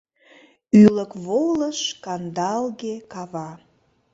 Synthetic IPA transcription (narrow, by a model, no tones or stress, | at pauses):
yləkβoləʃkɑnd̪ɑlɣekɑβɑ